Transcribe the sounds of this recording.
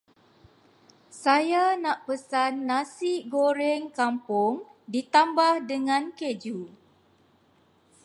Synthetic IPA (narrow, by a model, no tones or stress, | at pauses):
sajanãʔpəsanːãsiɡoɾɛŋkampʊŋdit̪ambahdəŋãnked͡ʒu